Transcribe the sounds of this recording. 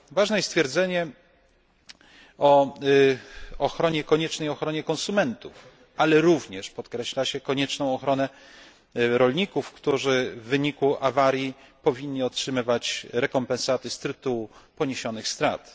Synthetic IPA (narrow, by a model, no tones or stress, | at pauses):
vaʐnɛjɛst̪fʲjɛɾd̪zɛɲɛ | ɔ | ɔxɾɔɲɛkɔɲɛt͡ʂnɛjɔxɾɔɲɛkɔ̃nsumɛnt̪uf | alɛɾuvɲɛʂpɔt̪kɾɛɕlaɕɛkɔɲɛt͡ʂnɔ̃w̃ɔxɾɔnɛ | ɾɔlɲikufkt̪uʐɘvːɘɲikuʔavaɾʲjipɔvʲiɲːiɔtʂɘmɘvat͡ɕɾɛkɔmpɛ̃nsat̪ɘst̪ɾɘt̪uwupɔɲeɕɔnɘxst̪ɾa̰t̪